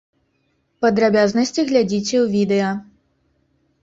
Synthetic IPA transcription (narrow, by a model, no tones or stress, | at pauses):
pɐd̪ɾabʲaznɐsʲt͡sʲiɣlʲad͡zʲit͡sʲɛwvʲid̪ɛjɐ